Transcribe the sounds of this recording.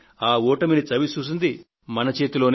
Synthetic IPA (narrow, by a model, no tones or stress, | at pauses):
aːɔːʈɐminit͡ʃɐʋit͡ʃuːs̬ind̪i | mɐnɐt͡ʃe̞ːt̪ulo̞ːn